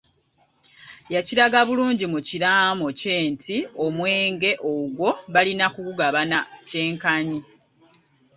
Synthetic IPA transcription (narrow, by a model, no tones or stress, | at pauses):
jaciɾaɡaβuluːɲɟimuciɾaːmo̞ce̞ːntʰio̞mwe̞ːŋɡe̞ʔoɡwo̞βalinakukuɡaβanace̞ːŋkaɲi